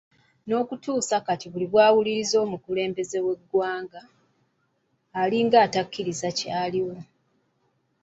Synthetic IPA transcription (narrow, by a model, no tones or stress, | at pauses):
no̞ːkutuːsakatiβuliβwaːwuliɾizo̞ːmukule̞ːmbe̞ze̞we̞ɡːwaːŋɡa | liŋɡaːtakːiɾizacaːliwo̞